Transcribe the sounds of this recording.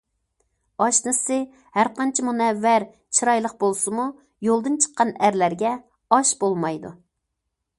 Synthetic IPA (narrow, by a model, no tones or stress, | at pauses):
ɑʃnɨsɨ | hæɾqɑnt͡ʃʰɪmunɛvːæɾ | t͡ʃʰiɾɑjlˠəqbolˠsɨmu | jolˠd̪ɨnt͡ʃʰə̥qːɑnæɾlæɾɡʲɛ | ɑʃbolˠmɑjd̪ṵ